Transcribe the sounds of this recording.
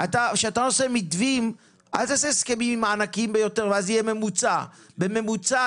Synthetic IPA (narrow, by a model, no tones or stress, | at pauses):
at̪aʃeat̪ano̞semitvim | ʔa̰lt̪aseskemimimaːnakimbe̞jo̞te̞ʁveazijeme̞mut͡sa | beme̞mut͡sa